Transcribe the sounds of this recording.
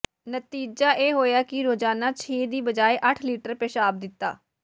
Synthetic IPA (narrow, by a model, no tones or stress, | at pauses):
nət̪iːd͡ʒaːʔeːɦoːjaːkɪɾoːd͡ʒaːnaːt͡ʃʰeːd̪iːbəd͡ʒaːeːʔəʈʰliːʈəɾpeːʃaːb̚d̪ɪt̪ːa̰ː